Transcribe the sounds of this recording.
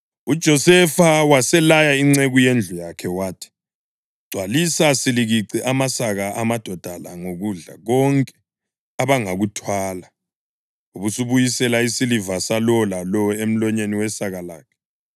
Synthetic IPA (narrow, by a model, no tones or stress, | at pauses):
ud̥ʒ̥ʱɔsɛfawasɛlajaiŋ͡ǀeɣujend͡ɮʱujakʰɛwaːtʰi̥ | ɡ͡ǀʱwalisasiliɣiǀiʔamasaɣaʔamad̥ʱɔd̥ʱala̰ŋoɣuɮa̰ɣɔŋkʼɛ̥ | aβaŋaɣutʰwaːla | uβusuβujisɛlaisilivasalɔlalɔem̩lɔɲeniwɛsaɣala̰ːkʰɛ̥